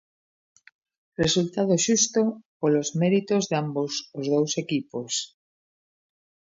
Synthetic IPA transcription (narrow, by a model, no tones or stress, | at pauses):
result̪að̞oʃust̪opolozmeɾit̪ozðambosozðowsekipos